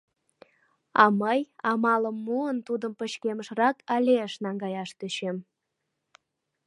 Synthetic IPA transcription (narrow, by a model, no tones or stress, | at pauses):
ɑməjɑmɑləmːuənt̪ud̪əmpəɕkeməʃrɑkɑlʲeəʃnɑŋɡɑjɑʃt̪yɕem